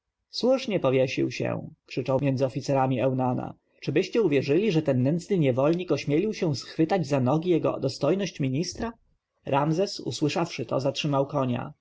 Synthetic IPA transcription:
swuʂɲɛpɔvʲjɛɕḭwɕɛ̰kʂɘt͡ʂɔwmjɛnd̪zɘɔfʲit̪sɛɾamʲiɛwnana̰ | t͡ʂɘbɘɕt͡ɕɛuvʲjɛʐɘlʲiʐɛt̪ɛnːɛnt̪snɘɲɛvɔlɲikɔɕmʲjelʲiwɕɛ̃sxfɘt̪ad͡ʑzanɔɡʲijɛɡɔ̰d̪ɔst̪ɔjnɔɕt͡ɕmʲiɲist̪ɾa | ɾʔamzɛsṵswɘʂafʂɘt̪ɔ̰zatʂɘmawkɔɲa̰

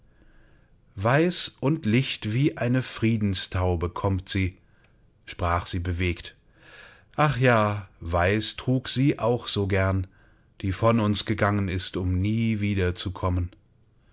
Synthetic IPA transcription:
vaɪsʔʊntlɪçtv̥iːʔaɪnəfʁ̥iːdn̩stʰaʊbəkʰɔmtz̥iː | ʃpʁ̥aːχz̥iːbəveːkt | ʔaχjaːvaɪstʁ̥uːkz̥iːʔaʊxz̥oːɡɛɐn | d̥iːfɔnʊnsɡ̥əɡaŋənɪstʊmniːviːdɐt͡sukʰɔmən

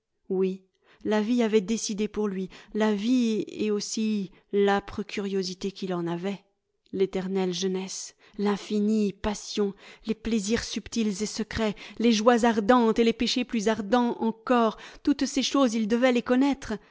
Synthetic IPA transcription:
wi | laviavɛd̪esid̪epuʁlɥilaviḛosi | lapχəkʲʰyʁjozit̪ekʲilɑ̃navɛ | let̪ɛʁnɛlʒənɛs | lɛ̃finipasjɔ̃lepleziʁsypt̪ilzesəkχɛleʒwazaʁd̪ɑ̃t̪elepeʃeplyzaʁd̪ɑ̃ɑ̃kɔʁt̪ut̪seʃozild̪əvɛlekɔnɛt̪χ

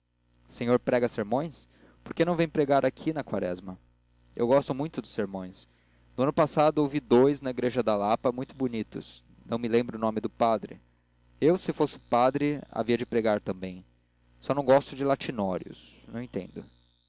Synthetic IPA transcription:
sẽɲoɾpɾɛɡɐseɾmõj̃s | poɾkenɐ̃w̃vẽj̃pɾeɡaɾakʰinɐkwa̰ɾɛ̰zmɐ | ḛwɡɔst̪ʊmũj̃t̪ʊd̪ʊ̥seɾmõj̃s | nʊɐ̃nʊpasad̪ʊowvid̪ojznɐiɡɾeʒɐd̪alapɐmũj̃t̪ʊbunit̪ʊ̰s | nɐ̃w̃mɪlẽmbɾʊːnõmɪd̪ʊpad̪ɾɪ̰ | ewsɪfosɪ̥pad̪ɾɪa̰viɐd͡ʒɪpɾeɡaɾt̪ɐ̃mbẽj̃ | sɔnɐ̃w̃ɡɔst̪ʊd͡ʒɪlat͡ʃinɔɾjʊ̰s | nɐ̃w̃ẽt̪ḛ̃nd̪ʊ

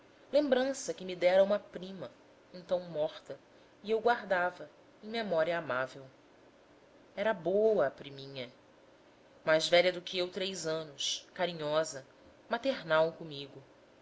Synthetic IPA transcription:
lẽmbɾɐ̃sɐkɪmid̪ɛɾɐũmɐpɾĩmɐ | ẽnt̪ɐ̃w̃mɔχt̪ɐ | iewɡwaɾd̪avɐ | ẽj̃memɔɾiɐːmavew | ɛɾɐbowɐːpɾimĩɲɐ | majzvɛʎɐd̪ʊkɪewt̪ɾejzɐ̃nʊskaɾĩɲɔzɐ | mat̪eɾnawkõmiɡʊ

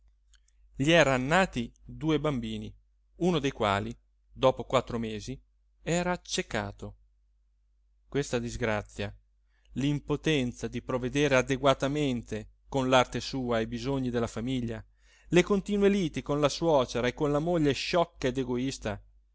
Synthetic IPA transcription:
ʎiɛːɾanːaːt̪id̪uːebambiːni | unod̪ejkwa̰ːli | d̪ɔːpokwat̪ːɾomeːzi | ɛːɾaːt͡ʃːeka̰ːt̪o | kwest̪ad̪izɡɾat̪sːja | limpot̪ɛnt̪sad̪ipɾoved̪eːɾead̪eɡwat̪ament̪e | konlart̪esuːajbizoɲːid̪elːafamiʎːa | lekont̪iːnweliːt̪ikonlaswɔːt͡ʃeɾaekːonlamoʎːeʃɔkːaed̪eɡoist̪a

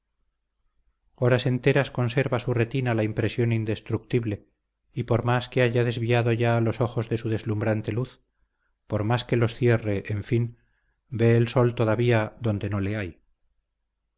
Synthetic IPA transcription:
o̞ɾase̞nt̪e̞ɾasko̞nse̞ɾβasure̞t̪inalaimpɾe̞sjo̞nind̪e̞st̪ɾuk̚t̪iβle̞ | ipo̞ɾmaskeaʝaðe̞zβiaðo̞ʝaːlo̞so̞xo̞zðe̞suðe̞zlumbɾant̪e̞luθ | po̞ɾmaske̞lo̞sθje̞re̞ʔːɱfin | be̞ːlso̞lt̪o̞ðaβiaðo̞nd̪e̞no̞le̞aj

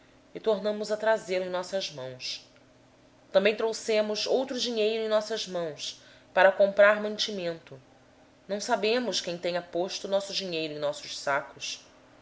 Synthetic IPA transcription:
ɪt̪oɾnɐ̃mʊzɐt̪ɾazeɾẽj̃nɔsɐzmɐ̃w̃s | t̪ɐ̃mbẽj̃t̪ɾowsẽmʊzowt̪ɾʊd͡ʒiɲejɾʊẽj̃nɔsɐzmɐ̃w̃s | paɾɐkõmpɾaɾmɐ̃nt͡ʃimẽnt̪ʊ | nɐ̃w̃sabẽmʊʃkẽj̃t̪ẽɲ̃ɐpoʃt̪ʊnɔsʊd͡ʒiɲejɾʊẽj̃nɔsʊʃsakʊs

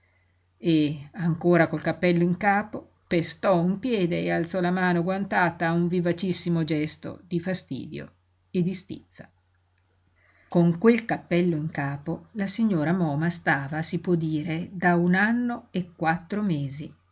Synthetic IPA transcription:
eaŋkoːɾakolkapːɛlːoiŋkaːpo | pest̪ɔumpjɛːd̪eːalt̪sɔlamaːnoɡwant̪aːt̪auɱvivat͡ʃisːimod͡ʒɛst̪o̰d̪ifast̪ḭːd̪jo̰ | ed̪ist̪ḭt̪sːa | koŋkwelkapːɛlːoiŋkaːpolasiɲːoːɾamɔːmast̪aːvasipwɔd̪iːɾed̪aunanːoekːwat̪ːɾomeːzi

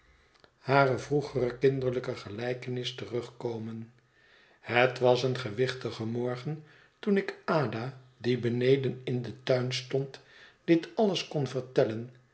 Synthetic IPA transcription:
haːrəvruχərəkɪndəɹləkəχəlɛjkənɪstərɵχkowmən | hətʋɑsənχəʋɪχtəχəmɔɹχən | tunɪkaːda | dibənejdənɪndətœɥnstɔntd̥ɪtɑləskɔnvəɹtɛlən

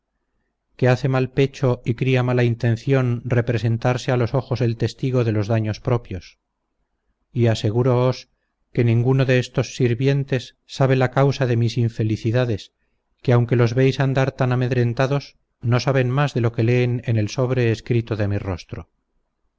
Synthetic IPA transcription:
ke̞aθe̞malpe̞t͡ʃo̞ikɾiamalaint̪e̞nθjo̞nre̞pɾe̞se̞nt̪aɾsealo̞so̞xo̞se̞lt̪e̞st̪iɣo̞ðe̞lo̞zðaɲo̞spɾo̞pjo̞s | iase̞ɣ̞uɾoos | ke̞nĩŋɡuno̞ðe̞est̪o̞sːiɾβje̞nt̪e̞sːaβe̞lakawsaðe̞misiɱfe̞liθiðaðe̞s | keawŋke̞lo̞zβe̞jsand̪aɾt̪aname̞ðɾe̞nt̪aðo̞s | no̞saβ̞enmazðe̞lo̞ke̞le̞ːnene̞lso̞β̞ɾe̞ːskɾit̪oðe̞miro̞st̪ɾo

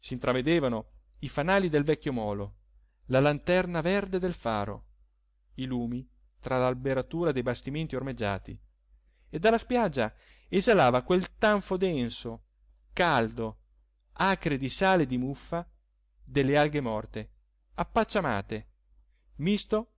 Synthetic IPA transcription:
siːnt̪ɾʔaved̪eːvano | ifanaːlid̪elvɛkʲːjomɔːlo | lalant̪ɛrnavɛrd̪ed̪elfa̰ːɾo̰ | iluːmi | t̪ɾalalbeɾat̪uːɾad̪ejbast̪iment̪iormed͡ʒːa̰ːt̪ḭ | ed̪ːalːaspjad͡ʒːa | ezalaːvakwelt̪aɱfod̪ɛnso | kald̪o | aːkɾed̪isaːled̪imufːa | d̪elːealɡemɔrt̪e | apːat͡ʃːama̰ːt̪e | mist̪o

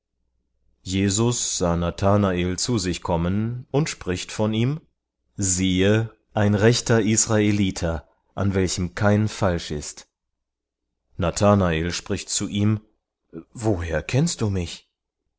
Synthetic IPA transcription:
jeːzʊsz̥aːnatʰaːnaeːlt͡suzɪçkʰɔmənʊntʃpʁ̥ɪçtfɔniːm | ziːə | ʔaɪnʁɛçtɐʔisʁ̥aeliːtʰɐ | ʔa̰nvɛlçəmkʰaɪnfalʃɪ̰st | natʰaːnaeːlʃpʁ̥ɪçtt͡suʔiːm | voːɦeːɐkʰɛnst̚d̥uːmɪç

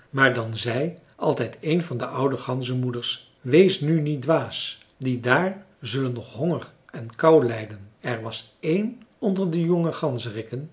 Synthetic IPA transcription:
maːɹdɑnzɛj | ʔɑlˠtɛjtʰejnvɑndəʔʌwdəχɑnzəmudəɹs | ʋejsnynit̚dʋaːs | didaːɹ | zɵlənːɔχɦɔŋər | ɛnkʌwlɛjdənɛɹʋɑsejnɔndəɹdəjɔŋəχɑnzərɪkən

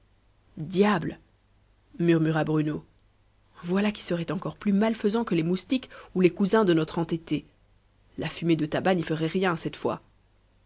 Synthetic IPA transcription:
d̪jabl | myʁmyʁabʁyno | vwalaki̥səʁɛt̪ɑ̃kɔʁplymalfəzɑ̃kəlemust̪ikulekuzɛ̃d̪ənɔt̪χɑ̃t̪et̪e | lafymed̪ət̪abanifəʁɛʁjɛ̃sɛt̪fwa̰

